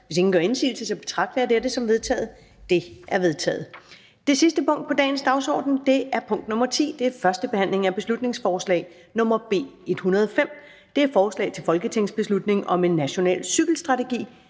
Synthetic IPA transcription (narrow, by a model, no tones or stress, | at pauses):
ʋeseŋn̩ɡ̥ɶɐe̝nsḭːl̩səsɒ̽b̥e̝t͡sʰʁɑ̈ɡ̥̚d̥ʋæɐd̥eɾəsɒ̽mʋe̝ð̞ˠt͡sʰɛ̰ːð̩ˠ | d̥e̝ʔæɐʋe̝ðˠt͡sʰɛ̰ːð̩ˠ | d̥e̝sisd̥əpʰɔ̽ŋ̰d̥̚pɒ̽d̥ɛ̰ːnsd̥ɑ̈ʊsɒ̰ːd̥n̩d̥e̝æɐpʰɔ̽ŋ̰d̥nɔ̽mɐt͡sʰḭːd̥e̝æɐfɶɐsd̥əb̥e̝hæn̰le̝ŋæb̥e̝slud̥ne̝ŋsfɒːslɛ̰ːɪ | nɔ̽mɐb̥e̝̰ːe̝d̥hunɐðˠɒfem̰ | d̥e̝æɐfɒːslɛ̰ːɪt͡sʰe̝lfɒ̽lɡ̥ət͡sʰe̝ŋ̰sb̥e̝slud̥ne̝ŋʔɒ̽me̝nːæɕo̝nɛ̰ːlsyɡ̥l̩sd̥ʁɑ̈t͡sʰe̝ɡ̥ḭː